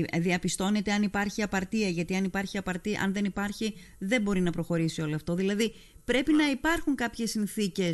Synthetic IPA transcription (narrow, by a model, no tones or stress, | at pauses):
ðiɐpist̪o̞ne̞t̪e̞ɐnipɐɾçiɐpɐɾt̪iɐʝɐt̪iɐnipɐɾçiɐpɐɾt̪iʔɐ̰nðe̞nipɐɾçi | ðe̞mbo̞ɾinɐpɾo̞xo̞ɾisio̞loɐft̪o̞ðilɐði | pɾe̞pinɐipɐɾxuŋkɐpçe̞sinθice̞s